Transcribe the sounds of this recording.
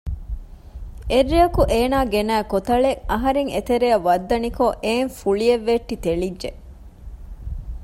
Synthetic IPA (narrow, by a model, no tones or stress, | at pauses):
erːiɐkuʔeːnaːɡenæːkot̪ɐɭeʔɐɦɐɾeŋet̪eɾejɐʋɐd̪ːɐnikoʔeːŋfuɭieʋːeʈːit̪eɭidːʒe